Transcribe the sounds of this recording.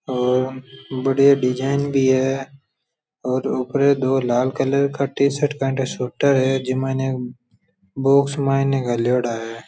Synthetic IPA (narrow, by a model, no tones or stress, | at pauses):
ɔːɾbəɽijaɖɪd͡ʒaːɪnbʱiɦɛː | ɔːɾʊpɾed̪oːlaːlkələɾkʰəʈisəʈkaːɳʈesuːʈəɾɦɛd͡ʒɪmẽne | boːksmaːineɡəljoːɽaːɦɛː